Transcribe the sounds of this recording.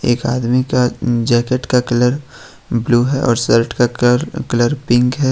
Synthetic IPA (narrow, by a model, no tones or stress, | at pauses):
eːkaːd̪mikad͡ʒɛːkeʈkakɐləɾ | bluːɦɛʔɔːɾsəɾʈkaɾkɐləɾpɪ̃ŋkɦɛː